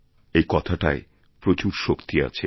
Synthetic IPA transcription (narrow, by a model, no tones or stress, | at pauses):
ejkɔt̪ʰaʈae | pɾot͡ɕuɾʃokt̪ia̰t͡ɕʰe